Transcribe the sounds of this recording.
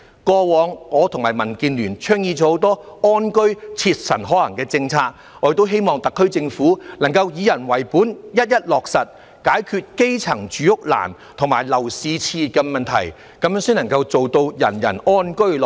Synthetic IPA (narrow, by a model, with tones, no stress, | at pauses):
kɔː˧wɔː˨˧ŋŋɔː˨˧t̪ʰʊ˨˩ŋmaː˨˩jmɐ˨˩nkiː˧nlyː˨˩nt͡ʃʰœː˥ŋjiː˧t͡sɔː˨˧˥ho˨˧˥wt̪̬ɔː˥ɔː˥nkɵ˥ɥt͡sʰi˧t̚sɐ˨˩nɦɔː˨˥lɐ̰˨˩ŋkɛː˧t͡sɪ˧ŋt͡sʰaː˧k̚ | ɔː˨˧˥t̪o˥wɦe˥jmɔː˨ŋt̪ɐ˨kʰːɵ˥ɥt͡sɪ˧ŋfuː˨˥nɐ˨˩ŋkɐ˧wjiː˨˧jɐ˨˩nwɐ˨˩jpuː˨˥njɐ˥t̚jɐ˥t̚lɔː˨k̚sɐ˨t̚ | kaː˨˥jkʰyː˧t̚ke˥jt͡sʰɐ˨˩ŋt͡ʃyː˨˥jʊ˥k̚la̰ː˨˩n | t̪ʰʊ˨˩ŋmaː˨˩jlɐ˨˩wsiː˧t͡sʰiː˧kɛː˧mɐ˨nt̪ʰɐ̰˨˩j | kɐ˨˥mjœː˥ŋsiː˥nɐ˨˩ŋkɐ˧wt͡so˨wt̪o˧wjɐ̰˨˩njɐ̰˨˩nɔː˥nkɵ˥ɥlɔ˨